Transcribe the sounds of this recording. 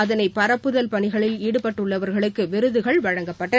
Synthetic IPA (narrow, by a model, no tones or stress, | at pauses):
ɐðɐnɐɪpɐɾɐpːɯðɐlpɐɳɪɣɐɭɪliːɽɯpɐʈːɯɭːɐʋɐɾɣɐɭɯkːɯʋɪɾɯðɯɣɐɭʋɐɻɐŋɡɐpːɐʈːɐ